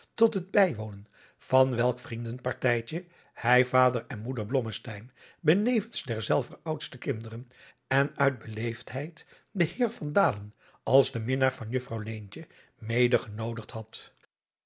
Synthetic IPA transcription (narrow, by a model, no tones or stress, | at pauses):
tɔtɦəd̚bɛjʋownən | v̥ɑnʋɛlˠkfrindənpɑɹtɛjt͡ʃə | hɛjvaːdəɹɛnmudəɹblɔməstɛjn | bənejvənzdɛɹzɛlˠvərʌwtstəkɪndərən | ɛnœɥd̚bəlejftɦɛjt | dəhɪːɹvɑndaːlən | ɑlˠzdəmɪnaːɹvɑnjɵfrɑwlejnt͡ʃə | mejdəχənowdəχtɦɑt